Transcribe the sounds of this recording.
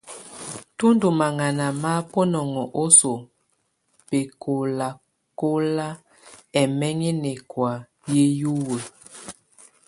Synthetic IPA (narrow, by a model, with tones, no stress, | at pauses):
tu˦ndu˨ma˨ŋa˨na˨ma˦po˦nɔ˨ŋɔ˨ʔo˦so˨ | pe˨ko˨la˨ | ko˦la˦ | ɛ˨mɛ˦ŋe˦nɛ˨kwa˨ | je˦ju˦we˨